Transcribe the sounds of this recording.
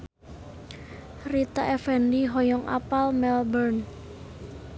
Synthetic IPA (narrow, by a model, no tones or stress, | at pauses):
rit̪a̰ʔɛfɛndiɦɔjɔŋʔa̰palmɛlbərn